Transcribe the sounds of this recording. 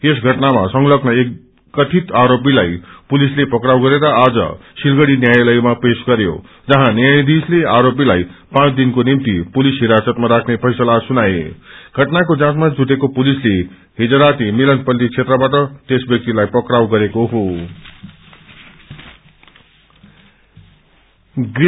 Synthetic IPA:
esɡʱʌʈnamasʌŋlʌknʌe | ʌt̪ʰit̪aɾop̬ilajpulislepʌkrawɡʌɾeɾʌad͡zʌ̰silɡʌɽinjajlʌjmapesɡʌɾjo̰ | d͡zʌɦãnjajd̪isleaɾop̬ilajpãt͡sd̪inkonimt̪ipulisɦiɾasʌt̪maɾakʰnepʰʌjsʌlasunajḛɡ̥ʱʌʈnakod͡zãtmad͡zuʈekopulisle | ɦid͡zʌɾat̪imilʌnpʌlːit͡sʰet̪rʌbaʈ̬ʌt̪esbjʌk̚t̪ilajpʌkɾawɡʌɾekoɦo | ɡ

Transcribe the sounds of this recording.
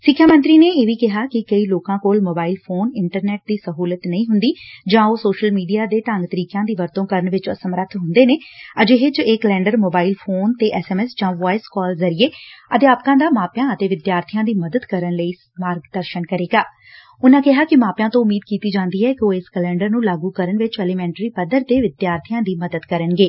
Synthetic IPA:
sɪkʰːjaːmə̃nt̪ɾiːneːeːʋiːkɪɦaːkɪkəiːloːkãːkoːlmoːbaːilpʰoːnɪɳʈəɾnɛːʈ̚d̪iːsəɦuːlət̪nəĩːɦʊnd̪iːd͡ʒãːoːsoːʃəlmiːɖijaːd̪eːʈ̪əŋɡt̪əɾiːkjãːd̪iːʋəɾt̪õːkəɾəɳʋɪt͡ʃəsəmɾət̪ʰɦʊnd̪eːneːəd͡ʒeɦɪt͡ʃeːkəlɛ̃ːɳɖəɾmoːbaːilpʰoːnt̪eːʔɛːsɛːmɛːsd͡ʒãːʋaːɪskɔːlzəɾɪeːəd̪jaːpkãːd̪aːmaːpjãːət̪eːʋɪd̪jaːɾt̪ʰijãːd̪iːməd̪əd̪kəɾənləiː | maːɾɡd̪əɾʃənkəɾeːɡaː | ʊnãːkɪɦaːkɪmaːpjãːt̪õːʊmːiːd̪̚kiːt̪iːd͡ʒãːnd̪iːɛːkɪoːɪskəlɛ̃ːɳɖəɾnũːlaːɡuːkəɾəɳʋɪt͡ʃɛːliːmɛ̃ːɳʈɾiːpəd̪əɾt̪eːʋɪd̪jaːɾt̪ʰijãːd̪iːməd̪əd̪kəɾənɡeː

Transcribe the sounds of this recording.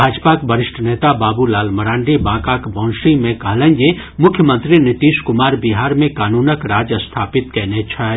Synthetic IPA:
bʱaːd͡ʒpakbəɾɪʃʈʰəneːt̪abaːbulaːlməɾãːɳɖibãːkakbɔ̃ːnʃimẽkɐɦlə̃nje | mʊkʰjəmə̃nt̪ɾinɪt̪iːʃkʊmaːɾbiɦaːɾmẽkaːnuːnəkɾaːd͡ʒjəst̪ʰaːpɪt̪kɛɦnet͡ʃʰa

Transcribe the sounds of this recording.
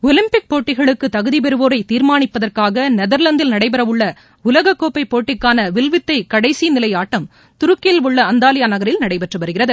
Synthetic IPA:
ɔlɪmpɪk̚poːʈːɪɣɐɭɯkːɯt̪ɐɣɯðip̬ɛɾɯʋoːɾɐɪt̪ːiːɾmaːɳɪpːɐðɐrkaːɣɐnɛðɐɾlɐnd̪ɪlnɐɽɐɪpɐɾɐʋɯɭːɐ | ʊlɐɣɐkːoːpɐɪpːoːʈːɪkːaːnɐʋɪlʋɪt̪ːɐɪkɐɽɐɪsinɪlɐjaːʈːɐm | t̪ʊɾɯkːɐjɪlʋʊɭːɐɐnd̪aːlɪjaːnɐɣɐɾɪlnɐɽɐɪpɐʈrɯʋɐɾɯɣɪrɐðɯ

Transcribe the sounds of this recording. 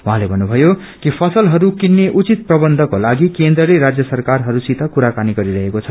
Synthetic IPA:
ũɦãlebʱʌnːubʱʌjo | kipʰʌsʌlɦʌɾukinːeʔut͡sit̪̚prʌbʌnd̪ʱʌkolaɡikend̪rʌleɾad͡zjʌsʌrkarɦʌɾusit̪ʌkuɾakaniɡʌɾiɾʌɦekot͡sʰʌ

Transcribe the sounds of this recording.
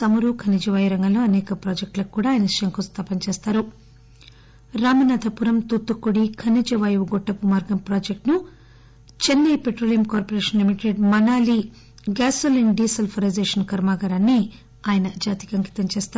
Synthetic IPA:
sɐmɐɾuːkʰɐnid͡ʒɐʋɐjuɾɐŋɡɐmlːoːɐnɛːkɐpɾoːd͡ʒek̚ʈlɐkkːuːɽaːjɐnɐiʃʂɐjɐŋkost̪ʰɐpɐnt͡ʃeːst̪aːɾu | ɾaːmɐnaːd̪ʱɐpuɾɐmt̪ut̪ːukːuɽikʰɐnid͡ʒɐʋɐjuɡɔʈːɐpumaːɾɡɐmpɾoːd͡ʒek̚ʈnu | t͡ʃenːɐjpeʈɾolijɐmkaːɾpoɾeːʂɐnlimiʈeɖmɐnaːli | ɡaːsolinɖiːsɐlpʰɐɾɐjzeːʂɐnkɐɾmaːɡɐɾaːnːi | aːjɐnɐd͡ʒaːt̪i̥kɐŋki̥t̪ɐnt͡ʃeːst̪aː

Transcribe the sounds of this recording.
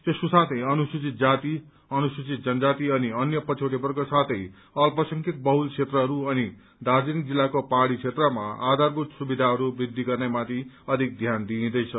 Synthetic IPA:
t̪esusat̪ʰʌjʌnusut͡sit̪̚d͡zat̪i | ʌnusut͡sit̪̚d͡zʌnʌd͡zat̪iʌniʌnjʌpʌt͡sʰoʈepʌrkosat̪ʰʌj | ʌlpʌsʌŋkit̪̚bʌɦulkʰet̪rʌɦʌɾuʌni | d̪ad͡zinik̚d͡zilːakopaɽit͡sʰet̪rʌma̰a̰d̪ʱarbut̪subid̪ʱaɦʌɾubid̪ʱːiɡʌrnemat̪ʰi | ʌd̪ʱik̚d̪ʱjand̪iĩd̪ʌjt͡sʰʌ

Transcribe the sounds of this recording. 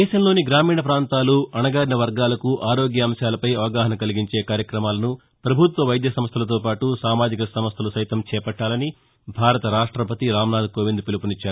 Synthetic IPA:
d̪ɛːʃɐmlo̞ːniɡɾaːmiːɳɐpɾaːnt̪aːluɐɳɐɡaːɾnɐʋɐɾɡaːlɐkuʔaːɾo̞ːɡjɐɐmʃjaːlɐpɐjɐʋɐɡaːɦɐnɐkɐliɡiɲt͡ʃe̞ːkaːɾjɐkɾɐmaːlɐnu | pɾɐbʱut̪ʋɐʋɐjd̪jɐsɐmst̪ʰɐlɐt̪̬o̞ːpaːʈusaːmaːd͡ʒikɐsɐmɐst̪ʰɐlusɐjt̪ɐmt͡ʃɛːpɐʈːaːlɐni | bʱaːɾɐt̪ɐɾaːʂʈɾɐpɐt̪iɾaːmnaːd̪koːʋind̪upilupunit͡ʃːaːɾu

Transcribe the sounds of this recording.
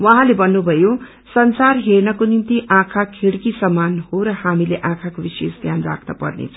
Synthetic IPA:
wʌɦãlebʌnːubʱʌjo | sʌnsarɦernʌkonimt̪iʔãkʰakʰeɽkisʌmanhoɾʌhamileʔãkʰakobisesd̪ʱjanra̰kʰnʌpʌ̰rnḛt͡sʰʌ

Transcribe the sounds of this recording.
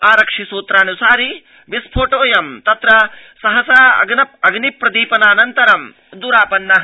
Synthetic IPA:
aːɾɐkʂisuːt̪ɾaːnusaːɾi | ʋispʰoːʈoːjɐmt̪ɐt̪ɾɐ | sɐɦɐsaːɐ̰ɡnɐp̚ɐɡnipːɾɐd̪iːpɐnaːnɐnt̪ɐɾɐm | d̪uɾaːpɐnːɐɦ

